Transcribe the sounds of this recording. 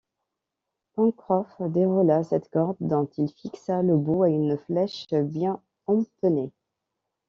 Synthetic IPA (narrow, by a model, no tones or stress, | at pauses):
pɑ̃kχɔfd̪eʁulasɛt̪kɔʁd̪ːɔ̃t̪ilfiksaləbuaynflɛʃbjɛ̃ | ɔ̃t̪əne